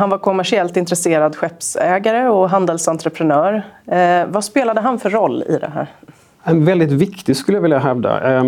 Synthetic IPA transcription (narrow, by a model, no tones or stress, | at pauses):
hanvaɾkʰʊmæʂɪɛlt̪ɪnt̪ɾɛseːɾad̪ɧɛpsɛːɡaɾəɔɦand̪əlsant̪ɾəpʰɾɛnœːɾ | vaspeːlad̪əɦanfœɾːɔlːɪ̰d̪ɛ̰ɦæ̰ːɾ | ɛnvɛld̪ɪt̪vɪkt̪ɪɡskɵləjavɪljaɦɛvd̪a̰